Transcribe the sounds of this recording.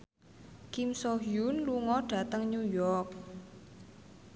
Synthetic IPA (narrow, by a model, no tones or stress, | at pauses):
kimsoɦiunluŋɔɖ̥ä̤t̪əŋɲujɔrk̚